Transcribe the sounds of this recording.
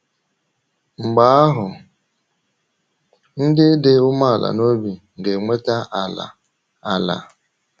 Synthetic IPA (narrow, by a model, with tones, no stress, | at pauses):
ŋ͡m̩˨ɡ͡ba˨˦a˦ɦʊ˨ | n̩˦dɪ˦dɪ˦ʊ˦ma˦a˨la̰˨no˦bi˨ŋ̩˨ɡe˨ŋʷe˦ta˦ʔa˨la̰˨ | a˨la̰˨